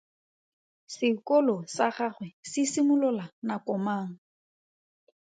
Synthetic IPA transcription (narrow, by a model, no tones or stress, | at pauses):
sɪkɔlɔsaχaχwɛsɪsimʊlʊlanakɔmaːŋ̩